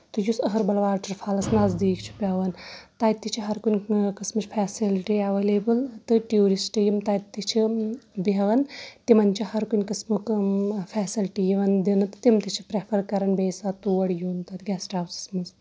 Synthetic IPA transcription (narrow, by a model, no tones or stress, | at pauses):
t̪ɨjusɐɦɐɾbɐlʋaːɾʈɐɾpʰaːlɐsnaːzd̪iːkʰt͡ʃʰi̥pʲɐʋɐnt̪aːt̪ːit͡ʃʰiɦɐɾkunʲkɐsmɨt͡ʃʰpʰɛːsilʈiɐʋeleːbɨlt̪ɨʈuːɾisʈɨjimt̪ɐt̪ːit͡ʃʰibɐʋɐnt̪imɐnt͡ʃʰihɐɾkunʲkɐsmukfʰɛːsilʈijiʋɐnd̪inɨt̪ɨ̥t̪imt̪it͡ʃʰi̥pɾepʰɐɾkɐɾɐnbeːsat̪uʋɐɽjuːnt̪ɐt̪ʲɡʲɛːsʈaːwsɐ̥smɐs